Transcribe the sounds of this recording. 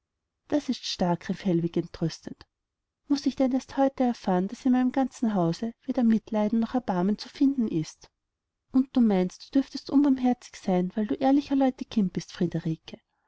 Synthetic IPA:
d̥asɪstʃtaɐkʁɛfhɛlvɪkɛntʁʏstənt | mʊsɪçd̥ɛnɛɐsthɔʏtəɛɐfaːɐnd̥asɪnmæɪnəmɡ̥ant͡sn̩ɦaʊzəveːdɐmɪtlaɪdn̩nɔχɛɐb̥aɐmənt͡sufɪndn̩ʔɪst | ʔʊnt̚d̥uːmaɪnst̚d̥uːd̥ʏɐftəstʔʊnbaːmɦɛɐt͡sɪ̥çsaɪnvæɪlduːʔeːɐlɪçɐlɔʏtəkʰɪm̚b̥ɪstfʁ̥ideʁiːkʰə

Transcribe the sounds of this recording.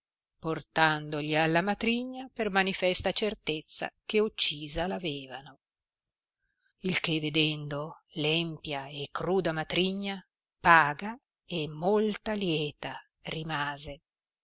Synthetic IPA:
port̪and̪oʎialːamat̪ɾiɲːapermanifɛst̪at͡ʃert̪et̪sːa̰keut͡ʃːiːzalavɛːvano | ilkeved̪ɛnd̪o | lɛmpjaekːruːd̪amat̪ɾiɲːa | paːɡa | emːolt̪aljɛːt̪a | rimaːze

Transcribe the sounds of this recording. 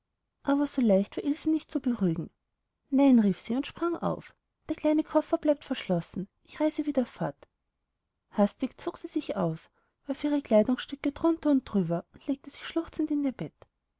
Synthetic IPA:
ʔaːbɐz̥oːlaɪçtv̥aɐʔilziːnɪçt̚t͡subəʁyːɡŋ̩ | naɪnʁiːfsiːʊntʃpʁ̥aŋʔa̰ʊf | d̥eːɐkʰl̥aɪnəkʰɔfɐblaɪp̚tfɛɐʃlɔsn̩ʔɪçʁaɪzəviːdɐfɔɐt | hastɪkt͡soːksiːzɪçʔa̰ʊs | vaːfʔiːʁəkl̥aɪdʊŋsʃtʏkədʁʊntɐʊnt̚d̥ʁyːbɐʊnd̥leːk̚təz̥ɪçʃlʊχt͡sn̩tɪndiːɐb̥ɛt

